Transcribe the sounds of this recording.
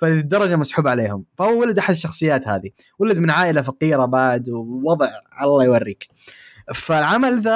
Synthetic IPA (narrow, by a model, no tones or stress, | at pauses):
falɪðid̪ːɑɾˤɑd͡ʒamasħuːbʕaleːhʊmfahʊwːawalad̪ʔaħad̪ɪʃːɑxsˤɨjːaːt̪ha̰ːði | walad̪mɪnʕaːʔɪlafaqiːɾabaʕd̪wwɑðˤʕʕalalˤːɑːjwarːiːk | falʕamalða